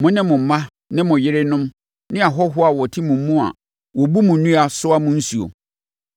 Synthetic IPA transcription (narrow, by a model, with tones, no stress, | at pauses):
mʊ̃˦nɪ̃˦mʊ̃˨m̩˨˦mã˦ | nɪ̃˦mʊ̃˨jɪ˦ɾɪ˦nʊ̃˦m | nɪ̃˦a˨ɦɔ˦ɦʊ˦a˨wɔ˨tʰɪ˦mũ˨m̩˦mũ˦a̰˨ | wɔ˨bu˦mʊ̃˨nũ˦a˨sʊ˦a˦mʊ̃˦n̩˦su˨o̰˨